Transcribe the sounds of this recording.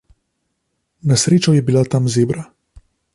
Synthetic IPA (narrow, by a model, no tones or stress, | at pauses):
nasɾeːt͡ʃɔjɛbilat̪amzeːbɾa